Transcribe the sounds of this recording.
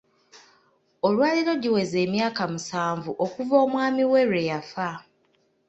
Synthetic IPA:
o̞lwaːliɾo̞ɟiwe̞ze̞ːmjaːkamusaːɱvuʔo̞kuvo̞ːmwaːmiwe̞ɾwe̞jafa

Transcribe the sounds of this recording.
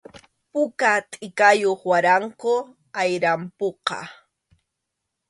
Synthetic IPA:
pʊkat̪ʼɪkajoχwaɾaŋkʊ | ajɾampoqɑ̰

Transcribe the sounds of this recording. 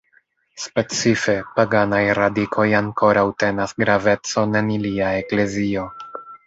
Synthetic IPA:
spe̞t͡sife̞paɡanajɾadikʰo̞jaŋko̞ɾawte̞nasɡɾave̞t͡so̞ne̞niliaekle̞zio̞

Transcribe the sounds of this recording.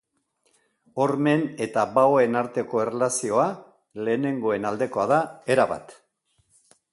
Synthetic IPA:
o̞ɾme̞ne̞t̪aβaoe̞naɾt̪e̞ko̞e̞relasio̞a | le̞ːne̞ŋɡo̞e̞nald̪e̞ko̞aðae̞ɾaβa̰t̪

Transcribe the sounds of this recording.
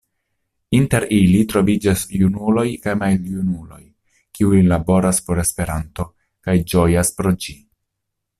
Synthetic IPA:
inte̞ɾilitɾo̞vid͡ʒasjunulo̞jkajmaljunulo̞̰j | kiujlabo̞ɾaspo̞ɾe̞spe̞ɾanto̞ | kajd͡ʒo̞jaspɾo̞d͡ʒi

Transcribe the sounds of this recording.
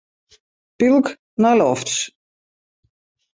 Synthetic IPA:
pilˠk | nɔjlɔfts

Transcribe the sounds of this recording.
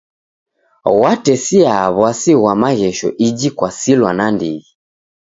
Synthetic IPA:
watɛsiaβwasiɣwamaɣɛʃɔ̰ʔid͡ʒikwasilwanandiɣi

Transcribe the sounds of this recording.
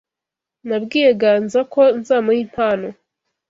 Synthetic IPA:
nabɡiːjeɡanzakʰo̞nzaːmohin̥haːno

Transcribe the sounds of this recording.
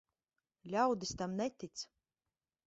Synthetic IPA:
lʲawd̪ist̪amnɛt̪ʲit̪s

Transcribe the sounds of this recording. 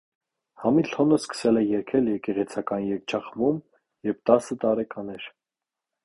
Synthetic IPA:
hɑmilhɔnəskə̥sɛlɛjɛɾkʰɛljɛɾkɛʁɛt͡sʰɑkɑnjɛk̚t͡ʃʰɑχvum | jɛvt̪ɑsət̪ɑɾɛkɑnɛɾ

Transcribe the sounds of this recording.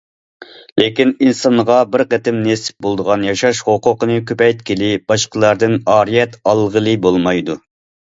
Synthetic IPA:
lekʲininsɑnʁɑbɪɾqɛt̪ɪmnesɪ̥p̚bolˠd̪əʁɑnjɑʃɑʃhoqʊqənɨkʲʰøpɛjt̪̚kʲʰilɪb̥ɑʃqəlˠɑɾd̪ɨnɑːɾijɛt̪ɑlˠʁəlˠɨbolˠmɑjd̪u

